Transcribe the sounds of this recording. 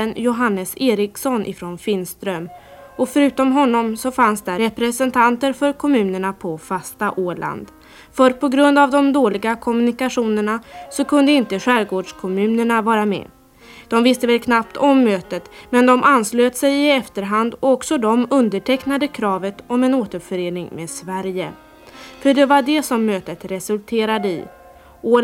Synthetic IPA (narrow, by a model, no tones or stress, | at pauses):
ənjʊɦanːəseːɾɪksɔnʔɪ̰fɾonfɪnst̪ɾœm | ɔfœɾʉ̟ːt̪ɔmɦɔnːɔmsɔfansd̪ɛɾɛpɾɛsɛnt̪ʰant̪əɾfœɾkʰɔmʉ̟ːnəɳapʰɔfast̪aʔoːɭa̰nd̪ | fœɾpʰɔɡɾɵnd̪avd̪ɔmd̪oːlɪɡakʰɔmɵnɪkaɧuːnəɳasɔkʰɵnd̪əɪnt̪əɧæːɾɡoːɖʂkʰɔmʉ̟ːnəɳavɑːɾamɛ̰ː | d̪̥ɔmvɪst̪əvɛlkʰnap̚t̪ʰɔmːøːt̪ət̪mɛnd̪ɔmʔansløːt̪sɛjɪɛft̪əɾɦand̪ɔɔksɔd̪ɔmɵnd̪əʈʰɛknad̪əkʰɾɑːvət̪ɔmɛnoːt̪əɾfœɾeːnɪŋmeːd̪svæɾjə̰ | fœɖɛvaɖɛsɔmːøːt̪ət̪ɾɛsɵlt̪ʰeːɾad̪əɪ̰ | oː